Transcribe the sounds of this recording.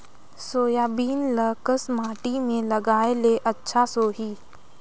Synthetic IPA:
soːjaːbiːnləkəsmaːʈimẽləɡaːeleʔɐtːʃʰasoːɦiː

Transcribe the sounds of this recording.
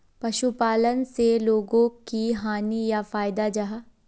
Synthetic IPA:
pɐʃupaːlənseloːɡõkiɦaːnijafaːjd̪ad͡ʒɐɦa

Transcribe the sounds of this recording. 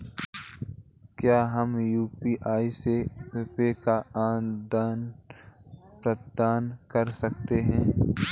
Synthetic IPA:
kjaːɦɐmjuːpiːʔaːisepepekaãːd̪aːn | pɾət̪d̪aːnkɐɾsɐkt̪eɦɛ̃ː

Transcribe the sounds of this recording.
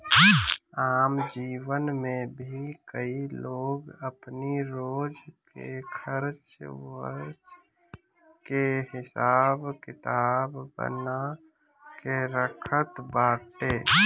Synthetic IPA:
aːmd͡ʒiwənmẽbʱikəiloɡəpniɾoːd͡ʒkḛkʰəɾt͡ʃwəɾd͡ʒ | kehɪsaːbkɪt̪aːbbə̰na | keɾəkʰət̪baːʈe

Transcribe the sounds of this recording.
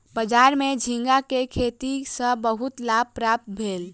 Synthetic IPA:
bəd͡ʒaɾmed͡ʒʱĩŋɡakekʰet̪isə̃bəɦut̪lab̚pɾap̚t̪̚bʱel

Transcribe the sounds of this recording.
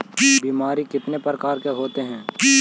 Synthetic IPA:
biːmaːɾikɪt̪nepɾəkaːɾkeɦoːt̪eɦɛ̃ː

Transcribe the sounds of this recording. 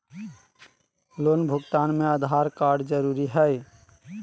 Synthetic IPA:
lonbʱuɡt̪anmeəd̪ʱaɾkaɾɖd͡ʒəɾuɾiɦəj

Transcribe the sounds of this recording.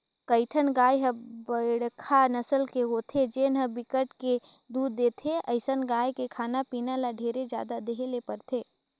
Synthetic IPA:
kəɪʈʰənɡaːjɦəbəɽkʰanəsəlkeɦoːt̪ʰed͡ʒeːnɦəbɪkəʈke | d̪uːd̪ːeːt̪ʰeʔəɪsənɡaːjkekʰaːnapiːnalaɖʱeːɾed͡ʒja̰ːd̪ad̪eɦelepəɾt̪ʰeː

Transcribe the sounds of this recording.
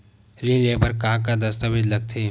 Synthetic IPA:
lĩleːpɐɾkãːkad̪ɐst̪əʋɪd͡ʒlɐɡ̚t̪ʰeː

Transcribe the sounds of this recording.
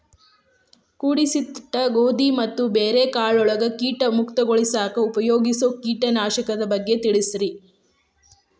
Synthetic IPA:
kuːɽisit̪ːɐɡoːd̪imɐt̪ːubeːɾekaːɭɔɭɐɡɐkiːʈɐmukt̪ɐɡoɔɭisaːkɐupɐjoːɡisoːkiːʈɐnaːʃɐkɐd̪ɐbɐɡːe̞t̪iɭisɾi

